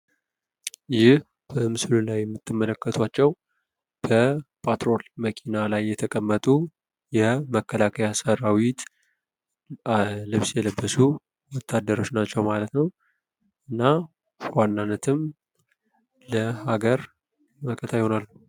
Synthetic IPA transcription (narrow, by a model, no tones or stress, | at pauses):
jɪh | b̥əmɨslulajːɛmːɨt̪ːɨmːələkːət̪ʰwat͡ʃːɛw | b̥əpʰat̪ɾo̞lməkʰinalajːɛt̪ʰəkʼəmːət̪ʼu | jɛməkʰːəlakʰəjasəɾawit̪ | lɨβsjɛləbːəsu | wɔt̪ʰːad̪ːəɾo̞t͡ʃnat͡ʃːɛwmalət̪nəw | ʔɨnːa | wanːanːət̪ʰɨm | ləhaɡəɾ | məkʼət̪ʰajho̞nalː